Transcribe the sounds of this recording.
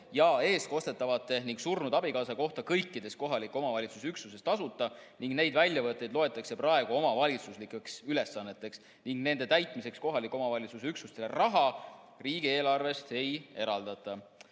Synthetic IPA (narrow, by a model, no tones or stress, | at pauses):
jɑe̞ːst̪̚ko̞st̪e̞t̪ːˑɑvɑt̪ːˑe̞niŋɡsurnud̪̥ɑbikɑːsɑko̞ht̪ɑkɤjkːˑid̪̥e̞sko̞ɦɑlikːˑo̞mɑvɑlʲit̪sus̬yksuse̞st̪ɑsut̪ːˑɑniŋɡ̥ne̞jd̪vælʲjɑvɤt̪ˑːe̞jd̪lo̞e̞t̪ˑːɑkse̞pɾrɑe̞ɡ̥uo̞mɑvɑlʲit̪suslikːˑeksyle̞sːɑnːe̞t̪ːˑe̞ks | niŋɡne̞nd̪e̞t̪æjt̪ˑmise̞ksko̞ɦɑlikːˑo̞mɑvɑlʲit̪suseyksust̪elerɑɦɑ | riːɡ̥ie̞ːlɑrve̞st̪e̞je̞ɾɑld̪̥ɑt̪ˑːɑ